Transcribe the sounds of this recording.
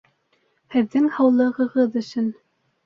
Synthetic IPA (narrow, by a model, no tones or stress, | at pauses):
hɘ̆ðːɘŋhɑwlˠɤ̆ʁɤ̆ʁɤðɵ̆sɵn